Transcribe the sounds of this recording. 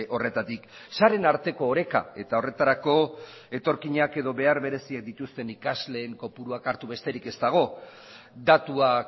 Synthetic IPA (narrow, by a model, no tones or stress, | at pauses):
ʔo̞re̞t̪at̪iksaɾe̞naɾt̪e̞ko̞ːɾe̞ka̰e̞t̪ao̞re̞t̪aɾako̞ | e̞t̪o̞ɾkiɲake̞ðo̞βe̞aɾβe̞ɾe̞siak̚d̪it̪ust̪e̞nikazle̞ːŋko̞puɾuakaɾt̪uβe̞st̪e̞ɾike̞st̪aɣ̞o̞ | d̪at̪uak